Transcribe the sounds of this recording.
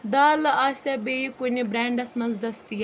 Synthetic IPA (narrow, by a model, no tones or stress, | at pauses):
d̪aːlaːsɛbeːikonibɾɛ̃ːɳɖɐsmɐnzd̪ɐst̪ijɛ